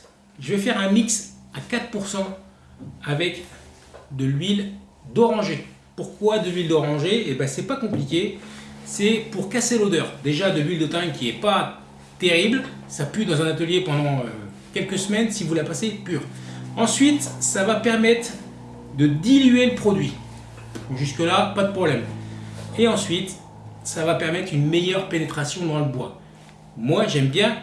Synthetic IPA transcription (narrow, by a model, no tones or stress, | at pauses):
ʒəvɛfɛʁɛ̃miksakat̪χpuʁsɑ̃ | avɛk | d̪əlɥil | d̪ɔʁɑ̃ʒe | puʁkwad̪əlɥild̪ɔʁɑ̃ʒeːbɛsɛpakɔ̃plikʲesɛpuʁkaselod̪œːʁd̪eʒad̪əlɥild̪ət̪ãŋkʲiɛpa | t̪eʁiblsapyd̪ɑ̃zɛ̃nat̪əljepɑ̃d̪ɑ̃ø | kʲɛlkəsmɛnsivulapasepyːʁɑ̃sɥit̪savapɛʁmɛt̪χ | d̪əd̪ilɥeləpχɔd̪ɥi | ʒyskəlapad̪əpχɔblɛm | eɑ̃sɥit̪ | savapɛʁmɛt̪χynmejœʁpenet̪χasjɔ̃d̪ɑ̃ləbwa | mwaʒɛmbjɛ̃